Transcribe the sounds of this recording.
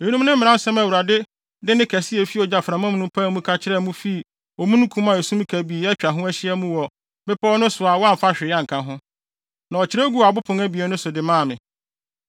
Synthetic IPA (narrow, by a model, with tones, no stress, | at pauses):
e˨˦nũ˦m˦nɪ̃˦m̩˦mɪ̃˨ã˦n˦sɛ̃˦mæ˨wu˨ɾa˨dɪ˦ | dɪ˦nɪ̃˦kʰæ˨sɪ˦ɛ˨fi˦ɔ˨d͡ʑa˨fɾã˨mã˦m˦nʊ̃˦mpʰã˦mũ˦kʰa˦t͡ɕʰɪ˦ɾɛ˦˨mũ˦fi˦˨ | ɔ˨mũ˦nũ˦kʰũ˦mã˨e˨sũ˦m˦kʰæ˨bi˨ɛ˦t͡ɕᶣa˨ɦʊ̃˦æ˦ɕɪ˦ɛ˦mũ˦wɔ˨ | bɪ˦pʰɔ˦ɔ˦nʊ̃˦sʊ˨a˨wɔ˦a˦m̩˨fa˦ɕᶣɪ˨˦ã˦ŋ̩˨kʰã˦ɦʊ̃˦ | nã˨ɔ˨t͡ɕʰɪ˦ɾæ˦ɡu˦a˨bʊ˦pʰʊ̃˨ŋæ˦bi˨ɛ˨nʊ̃˦sʊ˨dɪ˨mãː˦˨mɪ̃˨